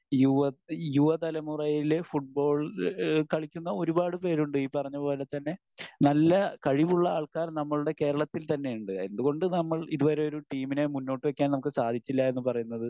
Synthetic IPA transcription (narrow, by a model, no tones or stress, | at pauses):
juʋɐjuʋɐt̪ɐlɐmurɐjilfuʈ̚bo̞ːɭkɐɭikʲːunːɐo̞ɾubaːɽɨpe̞ːɾuɳɖɨiːpːɐrɐɲːɐpo̞ːlɐt̪ːɐnːe̞ | nɐlːɐkɐɻiʋuɭːɐaːɭkaːɾnɐmːɐɭuɽe̞ke̞ːɾɐɭɐt̪ːilt̪ɐnːe̞juɳɖɨe̞nd̪uɣo̞ɳɖɨnɐmːɐɭiðuʋɐɾe̞o̞ɾuʈiːmine̞munːo̞ːʈːɨʋekʲːaːnnɐmukːɨsaːd̪ʱit͡ɕːilːɐe̞nːɨpɐrɐjunːɐðɨ